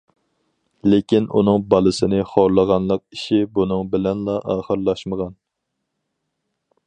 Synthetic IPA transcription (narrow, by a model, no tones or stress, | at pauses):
lekʲinṵnɨŋbɑlˠɨsɨnɨχoɾlˠəʁɑnlˠəq̚iʃibunɨŋbɪlɛnlˠɑʔɑːχəɾlˠɑʃməʁɑn